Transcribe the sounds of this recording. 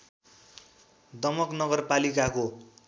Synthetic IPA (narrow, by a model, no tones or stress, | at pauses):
d̪ʌmʌknʌɡʌrpalikako